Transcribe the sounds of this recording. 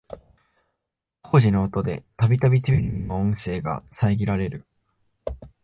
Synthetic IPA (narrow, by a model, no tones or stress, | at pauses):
ko̞ːʑino̞ːt̪od̪e̞̰t̪abʲit̪abʲit̪ebʲiɾʲinoõɰ̃se̞ːɡa̰saiɡʲiɾaɾe̞ɾɯ̟